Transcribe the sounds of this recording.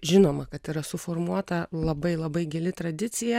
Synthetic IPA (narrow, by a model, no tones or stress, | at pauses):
ʒʲɪnoːmɐkɐt̪iːɾɐsʊfoːrmuɔt̪ɐlˠɐbɐɪlˠɐbɐɪɡʲɛlʲɪt̪ɾɐd̪ʲɪt̪sʲɪjɛ